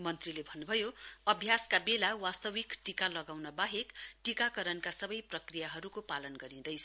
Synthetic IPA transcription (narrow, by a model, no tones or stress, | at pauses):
mʌnt̪rilebʱʌnːubʱʌjoʌbʱjaskabelawast̪ʌwikʈikalʌɡawnʌbaɦekʈikakʌɾʌnkasʌbʌjprʌkrijaɦʌɾukopalʌnɡʌɾĩd̪ʌjt͡sʰʌ